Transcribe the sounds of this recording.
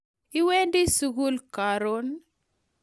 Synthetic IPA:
i˦we˦ndi˦suɡu˦lkaɾon

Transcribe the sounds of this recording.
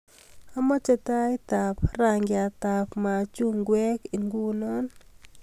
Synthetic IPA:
a˦mɔ˦t͡ʃɛ˨ta˦it̪a˨pra˨ŋɡɪ˨a˨t̪a˨pma˨t͡ʃu˦ŋɡwɛ˦ki˨ŋɡu˦nɔ˦n

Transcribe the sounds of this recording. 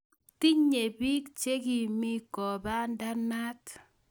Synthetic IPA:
ti˦ɲe˨bi˦kt͡ʃe˦ki˨mi˦kɔ˨ba˦nda˦na˦t

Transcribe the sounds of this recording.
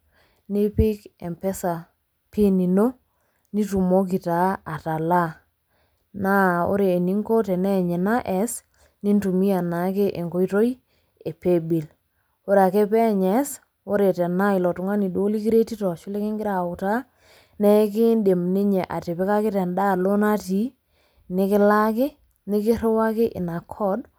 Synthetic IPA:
ni˦pɪ˦kɛ̰˨mpɛ˦sa˨ | pi˦ni˨no˦ | ni˦tu˨mo˦k̬i˨ta˨˦a˨ta˨la˦ | na˦o̰˦ɾeː˨ni˦ŋko˦tɛ˨nɛ˦˨ɲɛ˨na˦ʔɛ˨˦s | ni˦ntu˨mi˦a˨na˨˦ke˦ʔe˨ŋko˦i˦to˦i | e˨pe˦bi˨l | o˦ɾe˨a˨ke˦pɛ˦ɲɛ˨˦s | o˦ɾe˨tɛ˨na˦ɪ˨lɔ˨tʊ˨ŋa˦ni˨do˦li˦ki˦ɾe˦ti˦tɔ˨ʃʊ˦le˦kɪ˦ŋɡɪ˦ɾa˨ʊ˨ta˦ | nɛ˦k̬ɪ˦nde˨mni˦ɲe˨ʔa˨te˨pe˦ka˦kɪ˦tɛ˨nda˦lo˦na˦ti˨˦ | nɪ˦kɪ˦la˦kɪ˦ | nɪ˦kɪ˦ɾʊ˦wa˦kɪ˦ʔɪ̰˨na˨kʰɔ˦d

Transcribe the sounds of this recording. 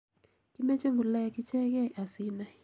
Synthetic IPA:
ki˦me˦t͡ʃe˦ŋɡu˨lɛ˦˨kɪ˦t͡ʃɛ˦kɛ˦˨ʔa˨sɪ˨na˨

